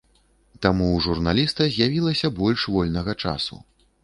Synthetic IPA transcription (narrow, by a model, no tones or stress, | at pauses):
t̪amuʐurnalʲist̪ɐzʲjavʲilˠɐsʲɐbɔlʲʂvɔlʲnɐɣɐt͡ʂa̰sṵ